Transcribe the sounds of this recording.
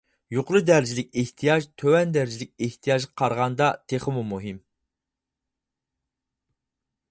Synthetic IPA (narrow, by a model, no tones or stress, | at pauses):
joqʰʊɾɨd̪æɾd͡ʒilɪk̚ʲeht̪ʰijɑʒt̪ʰøwɛnd̪æɾd͡ʒilɪk̚ʲeht̪ʰijɑʒʁɑqʰɑɾʁɑnd̪ɑt̪ʰeχəmumuɦim